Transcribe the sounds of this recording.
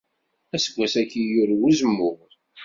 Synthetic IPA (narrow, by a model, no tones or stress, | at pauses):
æsəɡʷːæsækːijʊɾwuzəmːʊʁɾ